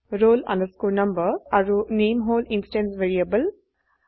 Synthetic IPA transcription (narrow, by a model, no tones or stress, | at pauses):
ɾoːlɐ̰̃ndəskoːɾnɐ̃mbəɐɾuneːmɦoːlinsiʈẽnsʋeːɾiɐbəl